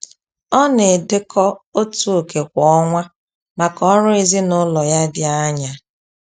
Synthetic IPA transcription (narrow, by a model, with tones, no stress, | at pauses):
ɔ˦ne˨dɪ˦kʰɔ˦o˦tu˦o˨ke˨kʷɔ˨ɔ˦ŋʷa˦ | ma˨kɔ˦ɾʊ˦e˦zi˦nʊ˦lɔ˨ja˦dɪ˦a˦ɲa˨